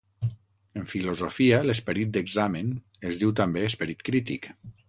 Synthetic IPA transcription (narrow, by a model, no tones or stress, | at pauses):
əɱfilozofialəspəɾit̪̚d̪əɡzamən | ezðiwt̪ambeːspəɾit̪kɾit̪ḭk